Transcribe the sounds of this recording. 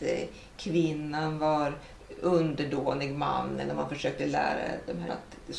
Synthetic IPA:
kʰvɪnːanvɑɾ | ɵnd̪əɖoːnɪɡmanːɛ̰lːəɾmanfœʂøːk̚t̪əlæ̰ːɾa̰d̪ɔmɦæa̰t̪ | ɛ

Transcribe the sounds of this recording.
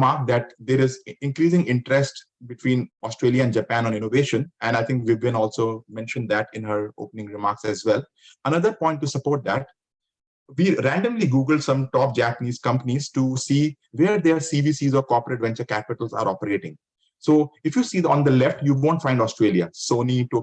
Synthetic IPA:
maːɾk̚d̪æʈ̚d̪eːɾɪzɪ̃nkɾiːzɪ̃ŋɪ̃ɳʈəɾɛsʈ | bɪʈwĩːnɔsʈɾeːljaɛ̃nd͡ʒəpæ̃nɔ̃nɪ̃noʋeːʃə̃nɛ̃nɖaɪt̪ʰɪ̃ŋkʋiɡɛ̃nɔːlsoːmɛ̃nʃə̃nd̪æʈɪ̃nɦəɾo̰ːpnɪ̃ŋɾɪmaːɾksæzʋɛl | ənʌd̪əɾpɔ̃ɪ̃ɳʈːusəpoːɾʈ̚d̪æʈ̚ | ʋiːɾæ̃ɳɖə̃mliɡuːɡəlɖsʌ̃mʈɔːp̚d͡ʒæpəniːzkʌ̃mpənizʈusiː | ʋeːɾd̪eɾsiʋiːsiːzɔːɾkɔːɾpəɾeʈʋɛ̃nt͡ʃəɾkæpɪʈəlza̰ːɾʔɔːpəɾeːʈɪ̃ŋɡ | soːɪfjuːsiːd̪ɔ̃ːnd̪əlɛfʈjuːʋõːɳʈfãɪɳɖɔːsʈɾeːljasoːniʈu

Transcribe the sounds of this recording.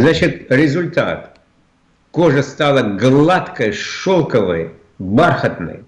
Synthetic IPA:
znat͡ɕɪt̪ɾʲɪzʊlʲt̪a̰t̪ | koʐəst̪alˠəɡlˠat̪kəjʂolˠkəvɨj | barxət̪nɨ̰j

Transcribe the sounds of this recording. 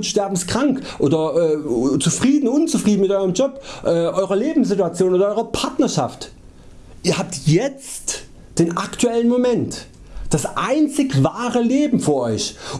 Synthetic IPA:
tʃtɛɐbm̩skʁ̥aŋkʔoːdɐʔɛːt͡sufʁ̥iːdn̩ʊnt͡sufʁ̥iːdn̩mɪtʔɔʏʁəmd͡ʒɔpʔɛːʔɔʏʁɐleːbm̩s̬z̥ɪtuat͡sjoːnʔoːdɐɔʏʁɐpʰaɐtnɐʃa̰ft | ʔiːɐhaːp̚tjɛt͡st | d̥eːnʔaktʰuɛlənmomɛnt | d̥asʔaɪnt͡sɪçvaːʁəleːbm̩fyːɐʔɔʏç

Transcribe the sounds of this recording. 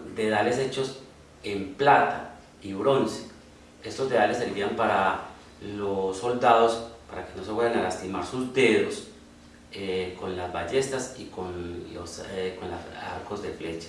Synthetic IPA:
d̪e̞ð̞ale̞se̞t͡ʃo̞s | e̞mplat̪a | iβɾo̞nse̥ | e̞st̪ozd̪e̞ðale̞sːeɾbiampaɾa | losːo̞ld̪aðo̞spaɾake̞no̞se̞βweɾanalast̪imaɾsuzd̪e̞ðo̞s | eko̞nlazbaʝe̞st̪asikonlo̰sko̞nlaa̰ɾko̞zd̪e̞fle̞t͡ʃḁ

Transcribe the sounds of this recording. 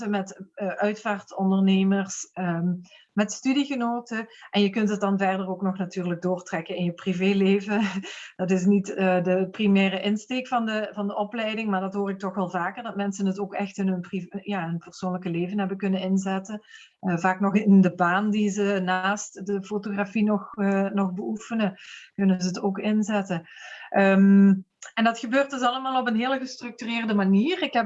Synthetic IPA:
əmɛtːʔœɥtfaːrtɔndərneːmərs | mɛtstydiɣənoːtəʔɛnjəkɵntət̚dɑnvɛrdərowknɔxnatyːrlək̚doːrtrɛkənɪnjəpriveːleːvəd̥ɑtɪs̬nitːdəprimɛːrəʔɪnsteːkfɑndəvɑndəʔɔplɛjdɪŋmaːɹdɑtɦoːrɪk̚tɔxʋɛlˠvaːkərdɑtmɛnsənətoːkɛxtɪnɦɵnprijaːɦənpərsoːnləkəleːvənɦɛbəkɵnənɪnzɛtən | əvaːknɔxɪndəbaːndizənaːstdəfotoɣrafinɔxnɔxbəʔufənəkɵnənzəətoːkɪnzɛtənʔəm | ɛndɑtxəbøːrt̚dɵsɑləmaːlˠɔpənɦɪːləɣəstrɵk̚tyrɪːrdəmaniːrɪkɦɛp̚

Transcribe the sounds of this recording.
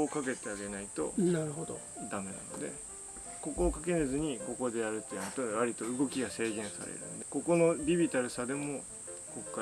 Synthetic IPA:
kake̞t̪e̞aɡe̞nait̪o̞̰naɾɯ̟ɦod̪od̪ame̞na̰no̞̰d̪e̞̰ | ko̞ko̞ːkake̞nezɨɲ̟iko̞ko̞d̪e̞jaɾɯ̟t̪ːenot̪oβaɾʲit̪o̞ɯ̟ɡo̞kʲiɡase̞ːɡẽ̞ɰ̃sa̰ɾḛɾɯ̟̰̃nod̪eko̞ko̞no̞bʲibʲit̪aɾɯ̟sad̪e̞mo̞ | ko̞kkːa

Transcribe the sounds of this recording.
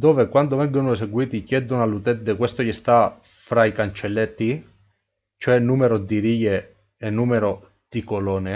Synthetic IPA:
d̪oːvekwand̪ovɛŋɡonoes̬eɡwiːt̪ikjɛd̪onalut̪ɛd̪ekwɛst̪ojist̪a | fɾaikant͡ʃelːet̪ːi | t͡ʃoɛnːuːmeɾod̪iɾiːje | enːuːmeɾo | d̪̥ikolɔːne

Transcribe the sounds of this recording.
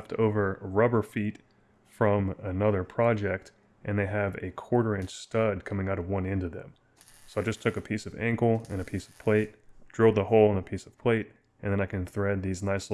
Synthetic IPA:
ftʰo̰ʊvə˞ɹʌbə˞fit | fɹʌ̃mənʌðə˞pʰɹ̥ɑd͡ʒɛk̚t | ʔɨ̃nðeɪɨvɨ̰kʰɔɹɾə˞ɨ̃nt͡ʃstʌd̚kʰʌ̃mɪ̃ŋaʊɾʌvwʌ̃nɛ̃ndʌvðɨ̰̃m | soʊaɪd͡ʒʌstʰʊkɨpʰisʌvæ̰̃ŋkl̩ˠɨ̃nɨpʰisʌ̥v̥pʰl̥eɪt̚d̥ɹoʊd̪̚ðəhoʊlˠə̃nəpʰisʌv̥pʰl̥eɪɾ | ɨ̃nðɨ̃naɪkɨ̃nθɹɛd̪̚ðiznaɪs

